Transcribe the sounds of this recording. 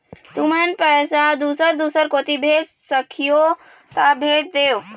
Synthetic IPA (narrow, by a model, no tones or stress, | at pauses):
t̪umənpəsad̪usəɾd̪usəɾkot̪ibʱes | səkʰijo | t̪abʱet̚d̪ew